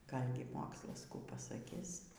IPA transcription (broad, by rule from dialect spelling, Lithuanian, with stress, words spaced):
ˈɡɐlʲɡʲɪ ˈmoːkslˠɐs ˈkuː pɐsɐˈkʲɪs